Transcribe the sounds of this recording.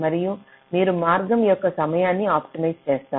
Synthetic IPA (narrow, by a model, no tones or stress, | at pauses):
mɐɾiju | miːɾumaːɾɡɐmjɔkːɐsɐmɐjaːnːiaːpʈimɐjst͡ʃeːst̪aː